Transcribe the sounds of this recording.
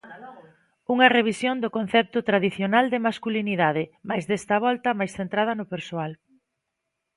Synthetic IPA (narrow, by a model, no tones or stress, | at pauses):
uŋɐreβ̞isjond̪ʊkõn̟θɛp̚t̪ʊt̪ɾaðiθjonald̪ɪmaskuliniðaðɪmajzðɛst̪ɐβɔlt̪ɐmajsθent̪ɾað̞ɐnʊpeɾsoal